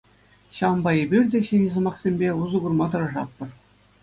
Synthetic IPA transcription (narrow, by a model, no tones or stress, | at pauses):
ɕɑʋɤ̆mbɑebʲirʲdʲeɕĕnʲzɤ̆mɑχsʲemʲbʲeuzɤ̆ɡurmɑt̪ɤ̆rɤ̆ʐɑt̪̚ːɤ̆r